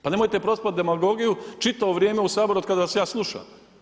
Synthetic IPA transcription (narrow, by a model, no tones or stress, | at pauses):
pane̞mojt̪epɾospat̪̚d̪e̞maɡo̞ɡijut͡ʃit̪aʋo̞ʋɾjeːmeusaːbo̞ɾuod̪kad̪aʋasjaːslˠuʃa̰m